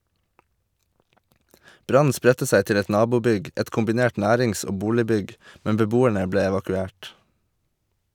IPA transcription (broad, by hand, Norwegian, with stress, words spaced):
ˈbɾɑn̩ ˈspɾɛtə ˈsæɪ ˈtɪl ˈɛt ˈnɑːbuːˌbʏɡ ˈɛt kʊmbɪˈneːʈ ˈnæːɾɪŋs ˈoː ˈbuːlɪˌbʏɡ ˈmɛm bəˈbuːæɳə ˈbleː ɛʋɑkʉˈeːʈ